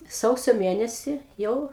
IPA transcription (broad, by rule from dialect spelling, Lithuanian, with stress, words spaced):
ˈsɐʊsʲoː ˈmʲeːnʲɛsʲiː ˈjɛʊ